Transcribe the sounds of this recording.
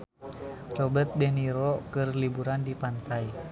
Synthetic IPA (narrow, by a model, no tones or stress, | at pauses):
t͡ʃɔbət̪̚dɛhniɾɔkɨrlibuɾandipant̪aj